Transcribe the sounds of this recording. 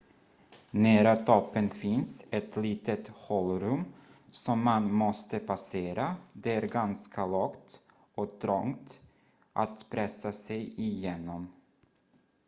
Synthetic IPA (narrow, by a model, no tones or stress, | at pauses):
næːɾat̪ʰɔpːənfɪnsɛt̪liːt̪ət̪hɔlɾɵmː | sɔmːanmɔst̪əpʰaseːɾad̪ɛæɾɡanskʰalɑːkt̪ | ɔt̪ʰɾɔŋt̪ | ʔat̪pʰɾɛsːasɛjɪjeːnɔm